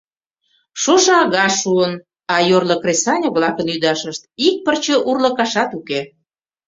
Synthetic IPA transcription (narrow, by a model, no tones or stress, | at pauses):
ʃoʃɤɑɣɑʃuən | ɑjorlə̆kresɑnʲəβlɑkənyd̪ɑʃəʃt̪̚ik̚pərt͡ɕə̆ʔurlə̆kɑʃɑt̪uke